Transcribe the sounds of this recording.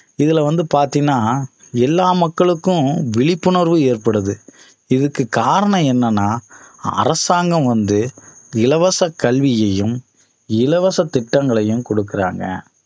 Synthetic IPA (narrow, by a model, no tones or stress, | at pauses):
ɪðɪlɐʋɐnd̪ɯpaːɾt̪ɪnːaː | ɛlːaːmɐkːɐɭɯkːʊ̃ʋɪɭɪpːʊɳɐɾʋɯeːɾpɐɽɯðɯ | ɪðɯkːɯkaːɾɐɳɐ̃ɛnːɐnːaːɐ̰ɾɐsaːŋɡɐ̃mʋɐnd̪ɯɪlɐʋɐsɐkːɐɭʋɪjɐjɯm | ɪlɐʋɐsɐt̪ːɪʈːɐŋɡɐɭɐjɯmkɔɽɯkːɪɾa̰ːŋɡɐ̰